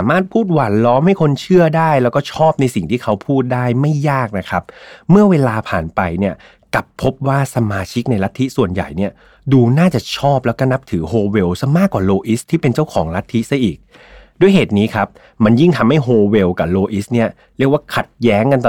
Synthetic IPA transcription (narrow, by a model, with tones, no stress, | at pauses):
aː˩˦maː˥˩t̪̚pʰuː˥˩t̪̚wa˨˩˦nlɔː˦˥mha˥˩jkʰo˧nt͡ɕʰɯ˥˩ɐdaː˥˩jlɛː˦˥wkɔː˥˩t͡ɕʰɔː˥˩p̚na˧jsi˨˩ŋt̪ʰiː˥˩kʰa˦˥wpʰuː˥˩t̪̚daː˥˩jma˥˩jːaː˥˩k̚na˦˥kʰa˦˥p̚mɯ˥˩ɐweː˧laː˧pʰa̰ː˨˩npa˧jni˥˩ɐ | ka˨˩pʰːo˦˥p̚waː˥˩sa˧maː˧t͡ɕʰi˦˥k̚na˧jla˦˥t̪ʰːi˦˥ʔsu˨˩ənja̰˨˩jni˥˩ɐ | duː˧naː˥˩t͡ɕa˨˩t͡ɕʰɔː˥˩p̚lɛ˦˥kɔː˥˩na˦˥p̚t̪ʰɯː˩˦ɦoː˧we˧wsa˧˥maː˥˩kːwaː˨˩loː˧ʔi˦˥st̪ʰiː˥˩pe˧nt͡ɕa˥˩wkʰɔː˩˦ŋɾa˦˥t̪ʰːi˦˥sa˧˥jʔiː˨˩k̚ | du˥˩əjɦeː˨˩t̪̚niː˦˥kʰa˦˥p̚ | ma˧nji˥˩ŋt̪ʰa˧mha˥˩jɦoː˧we˧wka˨˩loː˧ʔi˦˥ni˥˩ɐ | ɾi˥˩ək̚waː˥˩kʰa˨˩t̪̚jɛː˦˥ŋka˧n